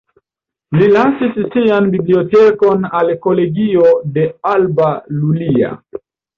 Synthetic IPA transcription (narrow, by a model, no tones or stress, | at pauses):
lilasissianbibliote̞ko̞nalko̞le̞ɡio̞de̞albalulia̰